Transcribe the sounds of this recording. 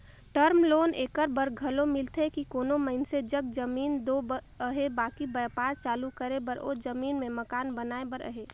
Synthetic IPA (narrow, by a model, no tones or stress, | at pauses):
ʈəɾmloːneːkəɾbəɾɡʱəlomɪlt̪ʰɦekikoːnoməɪnsed͡ʒəɡd͡ʒəmiːnd̪oːbə | əɦebaːkibəːpaːɾt͡ʃaːlukəɾebəɾo̰ːd͡ʒəmiːnmẽməkaːnbənaːebəɾʔə̰ɦe